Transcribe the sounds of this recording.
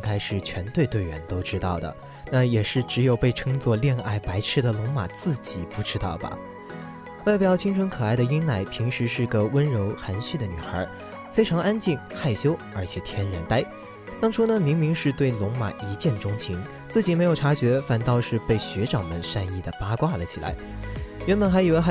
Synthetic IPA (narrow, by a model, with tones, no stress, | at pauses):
ŋkʰa˥ɪʂɻ̩˥˩t͡ɕʰɥɛ˧˥nt̪we˥˧ɪt̪we˥˩ɪɥɛ̰˧˥nt̪o˥ʊʈ͡ʂɻ̩˥t̪ɑ˥˩ʊd̪ə̰˩ | na˥˩jɛ˨˩ʂɻ̩˥˩ʈ͡ʂɻ̩˧˥jo˨˩ʊpe˥˩ɪʈ͡ʂʰɤ˥ŋt͡swɔ˥˧ljɛ˥˧nʔa˥˩ɪpa˧˥ɪʈ͡ʂʰɻ̩˥˩d̪ə˩˨lʊ˧˥ŋma̰˨˩t͡sɹ̩˥˩t͡ɕi˨˩pu˧˥ʈ͡ʂɻ̩˥t̪ɑ̰˥˩ʊbɐ̰˩ | wa˥˩ɪpjɑ˥˩t͡ɕʰi˥ŋʈ͡ʂʰɤ˧˥ŋkʰɤ˨˩a˥˩ɪd̪ə˩i˥nna˥˩ɪpʰi˧˥ŋʂɻ̩˧˥ʂɻ̩˥˧ɡə˨wə˥nɻo˧˥ʊxa˧˥nɕy˥˩d̪ə˩ny˨˩xə̰˞˧˥ | fe˥ɪʈ͡ʂʰɑ˧˥ŋa˥nt͡ɕi˥˩ŋxa˥˩ɪɕjo˥ʊə˞˧˥t͡ɕʰjɛ˨˩t̪ʰjɛ˥nɻa˧˥nt̪a˥ɪ | t̪ɑ˥ŋʈ͡ʂʰu˥nə˨mi˧˥ŋmi˧˥ŋʂɻ̩˥˧t̪we˥˩ɪlʊ˧˥ŋma̰˨˩i˧˥t͡ɕjɛ˥˩nʈ͡ʂʊ˥ŋt͡ɕʰi˧˥ŋ | t͡sɹ̩˥˩t͡ɕi˨˩me˧˥ɪjo˨˩ʊʈ͡ʂʰa˧˥t͡ɕɥɛ˧˥fa˥˩nt̪ɑ˥˧ʊʂɻ̩˥˧pe˥˩ɪɕɥɛ˧˥ʈ͡ʂɑ˨˩ŋmə˨˦nʂa˥˧ni˥˩d̪ə˩pa˥kwa˥˩lə̰˩t͡ɕʰi˨˩la̰˧˥ɪɥɛ˧˥nbə˨˩nxa˧˥ɪi˨˩we˥˧ɪ˥